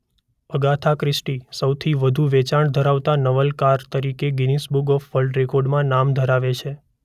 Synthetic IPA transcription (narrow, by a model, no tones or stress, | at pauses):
əɡat̪ʰakɾɪsʈisəwt̪ʰiʋəd̪ʱuʋet͡ʃaɳd̪ʱəɾaʋt̪anəʋəlkaɾt̪əɾikeɡinisbuɡɔfʋəlɖɾekɔɾɖmãnamd̪ʱəɾaʋet͡ʃʰe